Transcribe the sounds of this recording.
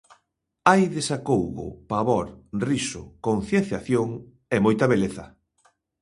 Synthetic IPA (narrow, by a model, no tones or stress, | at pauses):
ajðesakowɣʊ̰paβɔɾrisʊkon̟θjen̟θjaθjoŋ | ɛmojt̪ɐβeleθɐ